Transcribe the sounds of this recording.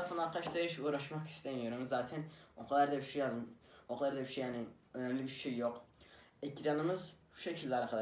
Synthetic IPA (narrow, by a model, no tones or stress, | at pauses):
fʰanˠaɾqʰaʃt̪ʰaɾɯʃuːɾaʃmaqi̥senjøɾɯmizzaːt̪ʰɛnoqʰlˠaɾd̪abiʃejazoqʰlˠaɾd̪abiʃejani | ønɛmlʲibiɾʃejːoqecʰɾanɯmɯzʃu̥ʃecʲʰilʲːˠaɾaqʰad̪